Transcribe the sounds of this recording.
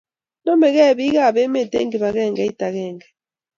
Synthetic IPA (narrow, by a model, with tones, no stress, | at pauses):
nɔ˦mɛ˨ɣɛ˦˨βi˦ɣa˦˨βɛ˦mɛ˨tḛ˦ŋɡi˨βa˨ɣɛ˦˨ŋɡɛ˦i˦ta˨ɣɛː˨ŋɡɛ˨